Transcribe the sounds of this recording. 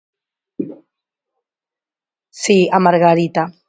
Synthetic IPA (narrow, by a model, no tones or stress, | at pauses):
siamaɾɣaɾit̪a